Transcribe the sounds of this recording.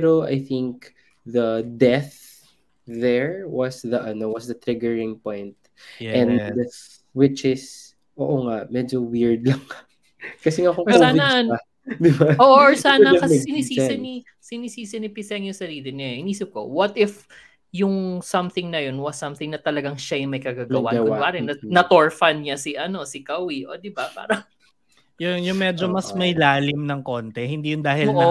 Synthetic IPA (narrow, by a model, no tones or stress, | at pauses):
ɾoʔa̰jθɪŋk | ðɐd̪ɛθ | ðɛɹwɐsðɐʔɐnowɐsðɐt̪ɾɪɡɛɹɪ̃ŋpõjnt̪̚ | ʔɛ̃ndɐ | wɪt͡ʃɪs | ʔoːʔoŋaʔmɛd͡ʒowɪɹd̪̚lɐŋ | kɐsɛŋakoŋɔkosaːvɪndɐɐ | d̪ɪbaoːʔʔɹsaːnɐɐkɐɛɡsɪnisisɐni | sɪnisiːsɛnɪpɪsɐŋjʊŋsɐɾiːlɪɲɐhɪniːsɪp̚ko̞̰wɐt̪ɪf | jʊŋsɐmθɪŋnɐjo̞nwɐsɐmθɪŋnɐt̪ɐlɐɡɐŋʃajʊŋmɐjkɐɡaɡɐwa̰ʔawaːɾɛnɐnɐt̪oɹfɐnɲɐsɪʔɐno̞sɪkɐwiʔo̰d̪ɪbapa̰ːɾɐŋ | jʊŋjʊŋmɛd͡ʒomɐsmɐjlaːlɪmnɐŋkoːnt̪ɛhɪnd̪iːjʊnd̪aːhɪlonʔɐo